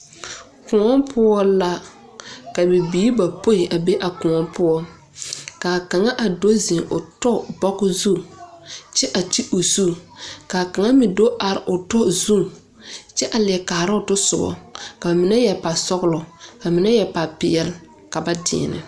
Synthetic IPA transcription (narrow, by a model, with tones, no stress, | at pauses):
kʊ˨ŋɔ˦mpʰʊ˦ɔ˦la˦ | ka˨bi˨biː˨˦i˦ba˨po˦ɪ˨ʔa˨be˦ʔa˨kʊ̃˨ŋɔ˦pʊ˦ɔ˦ | ka˨ka˨ŋa˦ʔa˨do˦zɪ̃˨ŋʔʊ˨tɔ˦bɔ˦ɣʊ˦zu˦ | t͡ʃɛ˦ʔa˨ti˦ʔo˨su˦ka˨ka˨ŋa˦mɪ˨do˦ʔa˨ɾɪ˨ʔʊ˨tɔ˦zu˦˨ŋ | t͡ʃɛ˦ʔa˨lɪ˨kaː˨ɾɪ˦ʊ˨tʊ˦sʊ˨ɡɔ̰˨ka˨mɪ˨nɛ˦jɛ˨pa˨sɔ˦ɣʊ˦lɔ˨ka˨mɪ˨nɛ˦jɛ˨pa˨pɪ˨ɛ˦l | ka˨ba˦dɪ̰˨nɪ̰˨